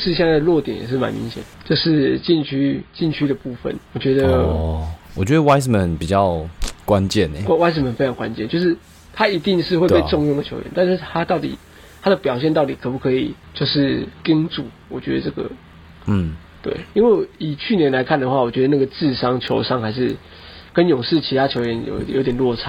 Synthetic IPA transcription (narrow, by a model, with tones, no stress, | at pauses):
ʂɻ̩˥ɕjɛ˥˧nt͡sa˥˩d̪ə˩lwɔ˥˩t̪jɛ̰˨˩˦njɛ̰˨˩ʂɻ̩˥˩ma̰˨nmḭ˧˥ŋɕjɛ̰˨˩nd̪ə˩t͡ɕjo˥˧ʊʂɻ̩˥˩t͡ɕi˥˧nt͡ɕʰy˥t͡ɕi˥˩nt͡ɕʰy˥d̪ə˨pu˥˧fə̰˨nwɔ˨˩t͡ɕɥɛ˧˥d̪ə˧ | wɔ˨˩t͡ɕɥɛ˧˦d̪ə˧wa˥ɪsmə˨˩npi˨˩t͡ɕjɑ˥˨ʊkwa˦nt͡ɕjɛ˥˨n̰˨˩˦wa˥ɪs̬mə˨˩nfe˥ɪʈ͡ʂʰɑ˧˥ŋkwa̰˦nt͡ɕjɛ̰˥˨nt͡ɕjo˥˧ʊʂ̬ɻ̩˥˩ | t̪ʰa˦˥i˧˥t̪i˥˧ŋʂɻ̩˥˧we˥˧ɪpe˥˧˩ʈ͡ʂo˥˧ŋjʊ˥˩ŋdə˨˩t͡ɕʰo˧˥ʊɥɛ̰˧˦nt̪a˥˧nʂɻ̩˥˩t̪ʰa˥t̪ɑ˥˩ʊt̪ḭ˨˩ | t̪ʰa˥d̪ə˨pjɑ˨˩ʊɕ̬jɛ˥˧nt̪ɑ˥˩ʊt̪i˨˩kʰɤ˨˩pu˧˩kʰɤ˧˥i˨˩t͡ɕjo˥˧ʊʂɻ̩˥˩ki˥ŋt͡su˨˦wɔ˨˩t͡ɕɥɛ̰˧˥d̪ə˨˧ʈ͡ʂɤ˥˩ɡə̰˩˥˩ | t̪wḛ˥˩ɪi˥nwe˥˩ɪi˨˩t͡ɕʰy˥˨njɛ˦nla˧˥ɪkʰa˥˩nd̪ə˩xwa˥˩wɔ˨˩t͡ɕɥɛ˧˥d̪ə˧˦na˥˩ɡə˩t͡sɹ̩˥˨ʂɑ˥ŋt͡ɕʰjo˧˥ʊʂɑ˥ŋxa˧˥ɪʂɻ̩˥˩ | kə˦njʊ˨˩ŋʂɻ̩˥˩t͡ɕʰi˧˥t̪ʰa˥t͡ɕʰjo˧˥ɥɛ˧˦njo̰˨˩ʊjo̰˧˥˦t̪jɛ˨˩nlwɔ˥˨ʈ͡ʂʰa˧˦